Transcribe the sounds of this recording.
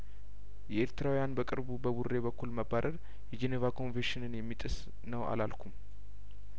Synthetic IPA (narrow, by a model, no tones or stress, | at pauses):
jɛʔeɾt̪ɨɾawjanbəkʼɨɾbubəβurːe̞βəkːulməbːaɾəɾ | jɛd͡ʒenevakʰo̞nveʃɪnɨnjɛmːit̪ʼɨs | nəwa̰lalkʰum